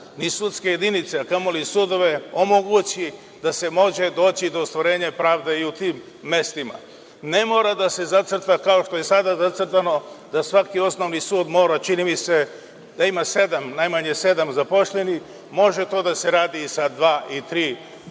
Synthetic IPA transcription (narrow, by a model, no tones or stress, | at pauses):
nisut̪skejed̪init̪seakamolisuːd̪o̞ʋe̞o̞moɡut͡ɕi | d̪̥ase̞mo̞ʒe̞d̪o̞ːt͡ɕid̪o̞st̪ʋoɾe̞ːɲapɾaːʋd̪e̞iut̪iːmː | e̞st̪ima̰ | ne̞mo̞ːɾad̪ase̞zat̪sr̩t̪akao̞ʃt̪o̞je̞sad̪azat̪sr̩t̪ano̞d̪asʋakio̞sno̞ʋnisuːd̪mo̞ːɾat͡ʃinimise̞ | d̪aimase̞d̪amnajmaɲe̞se̞d̪amzapo̞ʃlʎeni | mo̞ʒe̞t̪o̞ːd̪ase̞ɾaːd̪isad̪ʋaːʔit̪ɾiː